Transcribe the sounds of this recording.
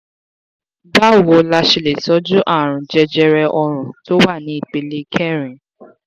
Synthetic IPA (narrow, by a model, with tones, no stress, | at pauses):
ba˦˨wo˧la˧ʃe˧˨le˨tɔ˨˦d͡ʒu˦ʔa˦˨ɾ̃ũ˨d͡ʒɛ˧d͡ʒɛ˧ɾɛ˧ʔɔ˧ɾ̃ũ˨to˦wa˦˨nĩ˨˦i˦˨k͡pe˨le˨˦kʰɛ˦˨ɾĩ˨